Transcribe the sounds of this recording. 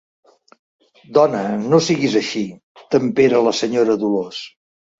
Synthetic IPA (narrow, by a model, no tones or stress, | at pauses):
d̪ɔnənosiɣizəʃi | t̪əmpeɾələsəɲoɾəðulos